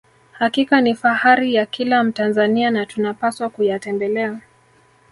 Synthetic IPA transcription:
hakikanifahaɾijakilam̩tanzanianatunapaswakujatɛnbɛlɛa

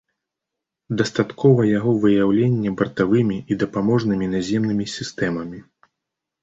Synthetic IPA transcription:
d̪ɐst̪at̪kʰɔvɐjaɣɔvɨjawlʲenʲːɛbɐrt̪avɨmʲiʔid̪ɐpamɔʐnɨmʲinazʲɛmnɨmʲisʲist̪ɛmɐmʲi

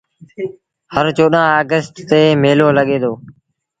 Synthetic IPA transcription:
həɾt͡ʃoːɗãːaːɡəsʈt̪eːmeːloːləɠeːd̪oː

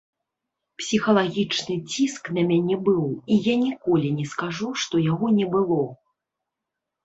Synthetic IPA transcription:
psʲixɐlˠaɣʲit͡ʂnɨt͡sʲisknɐmʲanʲɛbɨwijanʲikɔlʲinʲɛskaʐuʂt̪ɔjaɣɔnʲɛbɨlˠɔ

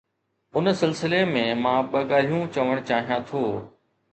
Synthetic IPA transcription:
ʊnsɪlsɪlemẽmãːɓɐɠaːl̤ijũt͡ɕɐʋəɽ̃t͡ɕaːɦijãt̪ʰoː

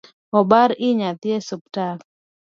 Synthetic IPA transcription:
ɔbaɾɪɲat̪jesup̚tak

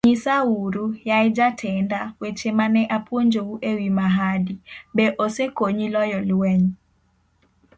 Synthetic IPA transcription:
ɲisauɾujajd͡ʒatʰɛndawet͡ʃemanɛʔapwoɲd͡ʒouʔewimaɦadibeʔosekoɲilɔjɔlwɛɲ

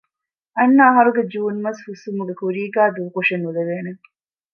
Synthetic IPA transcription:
ɐnːɐːɦɐɾuɡed͡ʒuːnmɐshusumuɡekuɾiːɡaːd̪uʋkoʂenuleʋeːneŋ

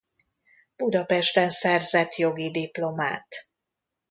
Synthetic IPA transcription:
b̥ud̪ɒpɛʃt̪ɛnsɛrzɛt̪jo̞ɡid̪iplo̞ma̰ːt̪

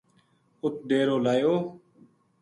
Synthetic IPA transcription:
ʊt̪̚d̪eːɾoːlaːjoː

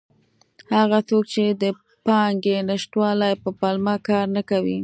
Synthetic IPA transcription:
haɣat͡sok̚t͡ʃed̪ə | pɑŋɡenaʃʈwɑlajpəpɑlmɑkɑɾnakawi

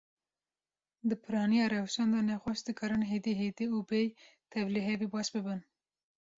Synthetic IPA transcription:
d̪ɨpʰɨɾɑːnijɑːɾɛwʃɑnd̪ɑnɛxʷɑʃd̪ɨkʰɨɾɨnɦed̪iɦed̪iubej | t̪ʰɛvliɦɛvibɑːʃbɨbɨn

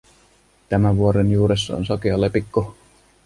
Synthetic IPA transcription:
t̪æmæʋuoɾenjuːɾesːɑ̰o̰nsokiɑlːepikːo

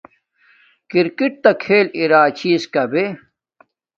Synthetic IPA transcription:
kiɾkiʈ̚t̪ɐkʰeːliɾaːt͡ɕʰiːskɐbe

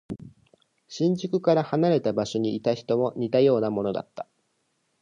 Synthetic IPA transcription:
ɕĩɲ̟d͡ʑɨkɯ̟kaɾahanaɾe̞t̪abaɕo̞ɲ̟iit̪açi̥t̪o̞mo̞ɲ̟it̪ajo̞ːnamo̞no̞d̪a̰t̪ːḁ

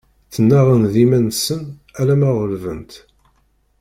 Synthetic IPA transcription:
θənːæʁənðimænsən | ælæmæʁəlvənt̪

